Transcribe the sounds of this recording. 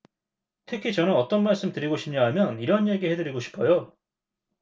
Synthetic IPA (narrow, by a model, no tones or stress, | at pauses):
tʰɯkʰit͡ɕʌnɯnʌt͈ʌnmaɭs͈ɯmtɯɾiɡoɕʰi̥mɲaɦamjʌniɾʌnje̞ɡihe̞dɯɾiɡoɕʰi̥pʰʌjo